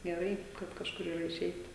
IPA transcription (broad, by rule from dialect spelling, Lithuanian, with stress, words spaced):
ɡʲɛˈrɐɪ kɐt kɐʃˈkʊr iːˈrɐ ɪˈʃʲɛɪt